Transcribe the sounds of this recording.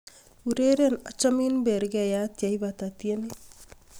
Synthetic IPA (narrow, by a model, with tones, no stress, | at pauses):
u˨ɾe˦ɾe˦na˨t͡ʃa˦mi˦nbe˨ɾɡɛ˨ja˦t̪ja˨i˦ba˨t̪a˨t̪je˦ni˦